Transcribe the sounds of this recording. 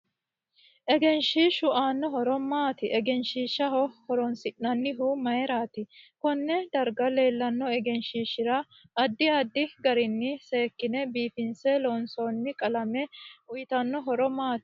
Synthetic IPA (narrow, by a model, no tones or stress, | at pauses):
ʔɛɡɛnʃiːʃʊaːnːɔɦɔɾɔmaːt̪ɪʔɛɡɛnʃiːʃɐɦɔhɔɾɔnsɪʔːɐnːɪɦʊmɐjɛɾaːt̪ɪkɔnːɛd̪ɐɾɡɐle̞ːlːɐnːɔɛɡɛnʃiːʃɪɾɐː | d̪ːɪɐd̪ːɪɡɐɾɪnːɪseːkːɪnɛbiːfɪnsɛloːnsoːnːɪkʼɐlɐmɛʊjɪt̪ɐnːɔɦɔɾɔmaːt̪ɪ̥